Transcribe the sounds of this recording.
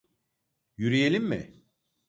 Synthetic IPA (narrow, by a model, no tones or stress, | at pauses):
jyɾije̞lʲimːɪ̰